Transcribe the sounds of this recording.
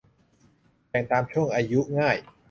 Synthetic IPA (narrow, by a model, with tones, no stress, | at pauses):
pɛː˨˩ŋt̪aː˧mt͡ɕʰu˥˩əŋʔaː˧ju˦˥ʔŋaː˥˩j